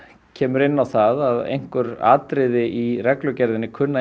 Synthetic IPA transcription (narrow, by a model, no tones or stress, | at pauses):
cʰɛːmʏɾɪnːawθaðaðḛjŋ̥kʏɾa̰ːt̪ɾɪðɪʔirɛklʏcɛɾðɪnːɪkʰʏnːa